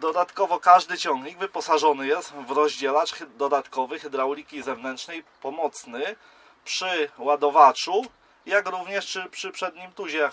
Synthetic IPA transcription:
d̪ɔd̪at̪kɔvɔkaʐd̪ɘt͡ɕɔŋɡɲiɡvɘpɔsaʐɔnɘjɛst̪vɾɔʑd͡ʑɛlat͡ʂxd̪ɔd̪at̪kɔvɘxɛd̪ɾawlʲikʲizɛvnɛnt̪ʂnɛjpɔmɔt̪snɘ | pʂɘwad̪ɔvat͡ʂu | jakɾuvɲɛʂt͡ʂɘpʂɘpʂɛd̪ɲimt̪uʑɛ

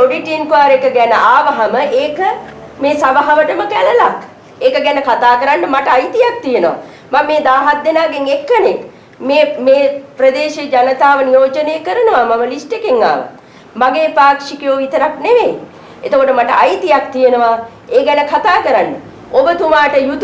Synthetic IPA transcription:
oɖiʈinkʋaːɾekəɡænəaːʋɐɦaməʔeːkəmeːsabaɦaʋəʈəməkæləlak | eːkəɡænəkat̪aːkəɾaɳːɖəmaʈəajt̪ijak̚t̪ijenəʋa̰ | mamːeːd̪aːɦat̪ːenaːɡeŋekːənek | meːmeːpɾəd̪eːʃed͡ʒanət̪aːʋənijoːt͡ʃənejəkəɾənəʋamaməlisʈekeŋːa̰ːʋə̰ | maɡeːpaːkʂikjoːit̪əɾakneʋeː | et̪okoʈəmaʈəʔajt̪ijakt̪ijenəʋa | eːɡænəkʰat̪aːkəɾaɳɖə | obət̪umaːʈəjut̪

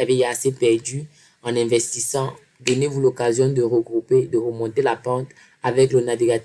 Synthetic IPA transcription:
avɛasepɛʁd̪y | ɑ̃nɛ̃vɛst̪isɑ̃ | d̪ɔnevulokazjɔ̃d̪əʁəɡʁuped̪əʁəmɔ̃t̪elapɑ̃t̪ | avɛklənaviɡat

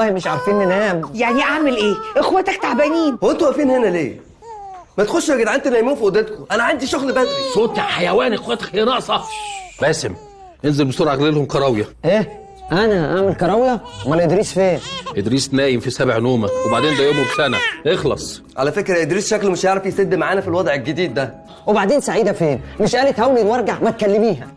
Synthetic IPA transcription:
ɑːhimeʃʕaɾˤfiːnenæːmjaʕniʔaʕmelʔeːʔexwæt̪æk̚t̪aʕbæniːnwʔent̪uʔæfiːnhenæleː | mæt̪xoʃweɡed̪ʕant̪unæjmuːnfiʔod̪æt̪̚kʊʔænæʕand̪iʃoɣlbæsoːt̪ħajæwæːnʔexwæt̪ækhnɑʔsˤɑbæːsem | ʔenzelbesˤuːɾʕaɣɾlelhomkɑɾˤɑwjæʔæː | ʔænæʔaʕmelkɑɾˤɑwjæmælʔed̪ɾiːsfeːnʔed̪ɾiːsnæːjemfisæbʕnoːmæwebaʕd̪eːnd̪æjoːmebsænæʔexlɑ̰sˤ | ʕa̰læfekɾæʔed̪ɾiːsʃæklmeʃjeʕɾɑfjesed̪ːemaʕaːnæfilwɑd̪ˤʕelɡed̪iːd̪ːæ | webaʕd̪eːnsaʕiːd̪æfeːnmeʃʔæːlet̪hæwlilwɑɾˤɡaʕmæt̪̚kælːemiːɦæ

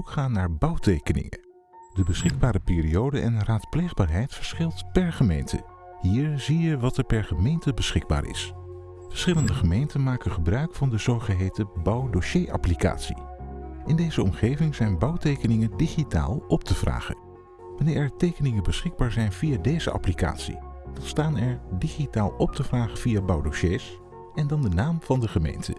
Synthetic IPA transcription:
ukχaːnːaːɹbɑwtejkənɪ̰ŋə̰ | dəbəsχɪɡ̚baːɾəpɪːriowdəʔɛnraːtplejχbaːɹɦɛjtfəɹsχɪlˠtpɛɹχəmejntʰə̰ | ɦiːɹzijəʋɑtɛɹpɛɹχəmejntəbəsχɪɡ̚ba̰ːɹɪ̰s | fə̥ɹsχɪləndəχəmejntənmaːkəχəbrœɥkfɑndəzowχəɦejtəbɑwdoʃejʔɑ̰plika̰ːtsḭʔɪndejzəɔmχejvɪŋz̥ɛjnbɑwtejkənɪŋəndiχita̰ːlˠɔp̚tʰəv̥ra̰ːχə̰ | ʋɑnɪːɹɛtejkənɪŋənbəsχɪɡ̚baːɹzɛjnvijaːdejzə̰ʔɑ̰plika̰ːtsḭd̥ɑtstaːnɛɹdiχitaːlˠɔp̚təvraːχəv̥ijabɑwdoʃeːs | ɛndɑndənaːmv̥ɑndəχəmḛjntʰə̰

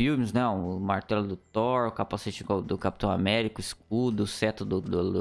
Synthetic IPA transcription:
fiwmɪznɛʊmaɾt̪ɛlʊd̪ʊt̪ɔɾʊkapaset͡ʃikod̪ʊkapi̥t̪ɐ̃w̃a̰mɛɾikʊisk̚ud̪ʊsɛt̪ʊd̪ʊd̪ʊd̪ʊ

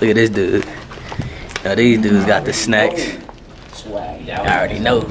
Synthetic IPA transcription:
ɪkɨɾ̚ɪzdʉ̥ | noʊðizdʉzɡɑt̪̚ðɨsneɪks | l̩ˠɹɛɾinoʊ

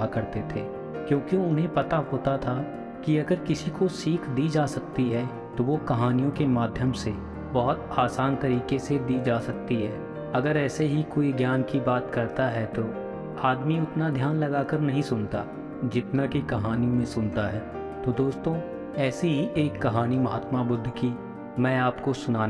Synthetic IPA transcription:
akɐɾt̪et̪ʰḛː | kjõːkiʊnɦẽpɐt̪aɦoːt̪at̪ʰa | kiɐɡəɾkɪsikosiːkʰd̪iːd͡ʒaːsɐk̚t̪iɦɛː | t̪oʋokɐɦaːnijõkemaːd̪ʱjəmse | bɐɦʊt̪aːsaːnt̪ɐɾiːkesed̪iːd͡ʒaːsɐk̚t̪iɦɛː | ɐɡəɾɛːseɦikoːiɡjaːnkibaːt̪kɐɾt̪aɦɛt̪oː | aːd̪miʊt̪nad̪ʱjaːnlɐɡaːkəɾnɐɦĩsʊnt̪a | d͡ʒɪt̪nakikɐɦaːnijõmẽsʊnt̪aɦɛː | t̪od̪oːst̪õː | ɛːsiɦiʔeːkːɐɦaːnimɐɦaːt̪mabʊd̪ʱːki | mɛ̃ːaːpkosʊnaː

